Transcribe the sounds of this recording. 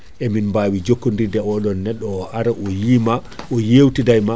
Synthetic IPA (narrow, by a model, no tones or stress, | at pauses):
ʔɛminmbaːwid͡ʒokːundidɛɔɗɔnːɛɗːɔːʔaɾaɔjimaɔjewtidajma